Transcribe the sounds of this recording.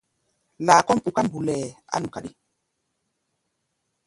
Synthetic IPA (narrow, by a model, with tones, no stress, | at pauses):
laː˨kɔ˦m̩˨ɓu˨ka˦mbu˨lɛː˨a̰˦nu˨ka˨ɗi˦